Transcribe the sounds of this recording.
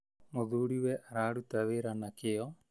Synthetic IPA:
mɔd̪uɽiwɛʔaɾaɽut̪aweɾanakejɔ

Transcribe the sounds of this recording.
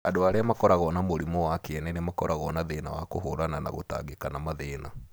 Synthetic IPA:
adoaɾeamakɔɾaɣɔnamoɾimɔwakeɛnɛnemakɔɾʔaɣɔnaðenawakoɦoɾanana̰ɣo̰ta̰ɣekanamaðeːna

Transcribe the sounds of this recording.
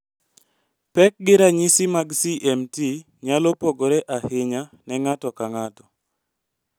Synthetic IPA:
pɛk̚ɡɪɾaɲɪsɪmaɡsiʔɛmti | ɲalɔpoɡoɾɛʔahɪɲa | nɛŋatɔkaŋatɔ

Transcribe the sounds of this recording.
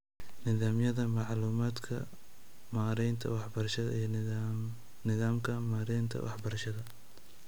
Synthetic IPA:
nɪðaːmjɐðɐmɑʕluːmaːd̪kʰɐ̰ | maɾɛjnt̪ʰɐ̰wɑħbɐrɐʃɐðɐ̰ʔij | nɪðaːmkʰɐmaːɾɛjnt̪ʰɐ̰wɑħbɐɾɐʃɐðɐ

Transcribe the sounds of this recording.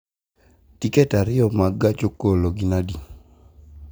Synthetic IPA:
tikɛtaɾɪɔmaɡat͡ʃokoloɡinadi

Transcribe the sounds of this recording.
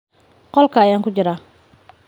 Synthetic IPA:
qɔlkʰɐːjaːŋkʊd͡ʒɪɾa

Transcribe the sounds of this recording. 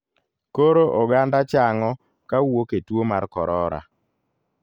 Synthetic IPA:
koɾoʔɔɡandat͡ʃaŋɔ | kawoketwomaɾkɔɾɔɾa̰

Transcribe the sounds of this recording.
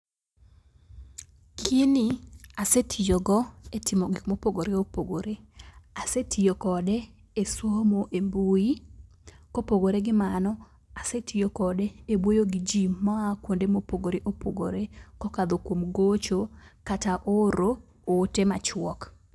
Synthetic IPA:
kʰiniasetʰijoɡɔetɪmoɡikmopoɡoɾeopoɡoɾeasetʰijokɔdɛ | eswomoʔembui | kopoɡoɾeɡɪmanɔ | asetʰijokɔdɛebwojoɡid͡ʒimaakwondemopoɡoɾeʔopʰoɡo̰ɾekɔkad̪okwomɡot͡ʃokataʔoɾoː | temat͡ʃwɔk

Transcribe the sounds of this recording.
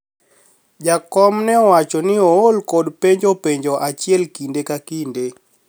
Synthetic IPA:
d͡ʒakɔmnɛɔwat͡ʃɔnɪɔolkɔdpeɲd͡ʒopeɲd͡ʒɔʔat͡ʃiɛlkindekakinde

